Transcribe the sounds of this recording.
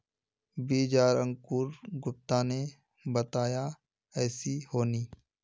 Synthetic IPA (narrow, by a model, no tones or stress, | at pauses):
biːd͡ʒaːɾə̃ŋkuːɾɡʊp̚t̪ane | bət̪aːja | ɛːsihoːniː